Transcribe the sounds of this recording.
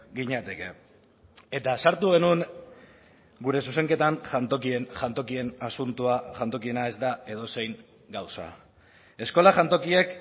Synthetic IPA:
ɡiɲat̪e̞ke̞̰ | e̞t̪asaɾt̪uɣe̞nun | ɡuɾe̞suse̞ŋke̞t̪anʝant̪o̞kie̞nʝant̪o̞kie̞nasunt̪uaʝant̪o̞kie̞nae̞zd̪ae̞ð̞o̞se̞jŋ | ɡawsa̰ | e̞sko̞laʝant̪o̞kie̞k

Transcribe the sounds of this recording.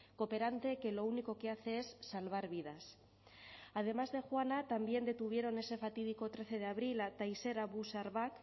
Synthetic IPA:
ko̞pe̞ɾant̪e̞ke̞lo̞uniko̞ke̞aθe̞esːalβ̞aɾβiðas | að̞e̞mazðe̞xwanat̪ambje̞nd̪e̞t̪uβ̞je̞ɾo̞ne̞se̞fat̪ið̞iko̞t̪ɾe̞θe̞ð̞eaβ̞ɾilat̪ajse̞ɾaβusaɾβak

